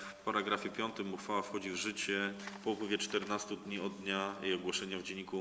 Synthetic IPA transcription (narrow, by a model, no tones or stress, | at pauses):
paɾaɡɾafʲjɛpʲjɔnt̪ɘmːuxfawafxɔd͡ʑivʐɘt͡ɕɛpɔupwɘvʲjɛt͡ʂt̪ɛɾnast̪ud̪ɲiɔd̪d̪ːɲajḛjɔɡwɔʂɛɲavd͡ʑɛɲːiku